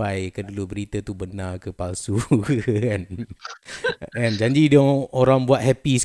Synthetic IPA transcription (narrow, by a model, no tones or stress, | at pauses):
ajkədulubəɾit̪ət̪ubənarkəpalsukkan | ɛnd͡ʒaɲd͡ʒidoŋoɾaŋbuaʔ̪̚hɛpis